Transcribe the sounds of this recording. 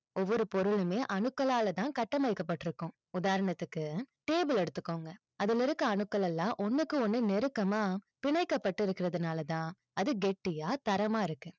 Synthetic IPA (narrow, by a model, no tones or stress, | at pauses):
ɔʋːɔɾɯpɔɾɯlɯmeːʔɐɳɯkːɐlaːlɐt̪ãːkɐʈːɐmɐɪkːɐpːɐʈːɪɾɯkːʊ̃ | ʊðaːɾɐɳɐt̪ːɯkːɯʈeːbɯlɛɽɯt̪ːɯkːoːŋɡɐ | ɐðɪlɪɾɯkːɐɐɳɯkːɐlɛlːãːʔɔnːɯkːɯɔnːɯnɛɾɯkːɐmaːpɪɳɐɪkːɐpːɐʈːɯɪɾɯkːɪɾɐðɯnaːlɐt̪ãː | ɐðɯɡɛʈːɪjaːt̪ɐɾɐmaːɪɾɯkːɯ